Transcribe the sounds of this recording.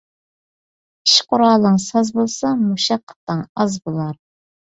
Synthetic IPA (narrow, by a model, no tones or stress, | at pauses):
iʃqʊɾɑːlˠːəŋsɑzbolˠsɑmuʃɑqʰːə̥t̪ːəŋɑzbolˠɑɾ